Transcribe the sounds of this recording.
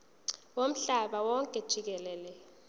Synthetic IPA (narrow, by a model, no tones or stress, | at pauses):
wom̩ɬaɓawɔŋkʼɛd̥ʒ̥ʱik̬ɛlɛːlɛ